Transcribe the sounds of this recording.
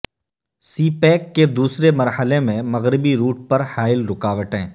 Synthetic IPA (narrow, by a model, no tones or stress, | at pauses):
siːpɛːkːed̪uːsɾemɐɾhəlemẽmɐɣɾɪbiɾuːʈ̚pɐɾhaːɪlɾʊkaːʋəʈḛ̃ː